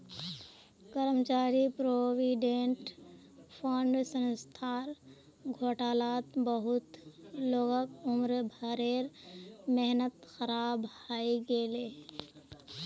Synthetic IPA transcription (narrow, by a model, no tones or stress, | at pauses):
kəɾəmt͡ʃaːɾipɾoːwiɖeɳʈ | pʰoːɳɖsə̃nst̪ʰaːɾ | ɡʱoːʈaːlaːt̪bəɦʊt̪loːɡəkʊmɾbʱaɾeːɾmɛɦnət̪xəɾaːbhaːiɡeːle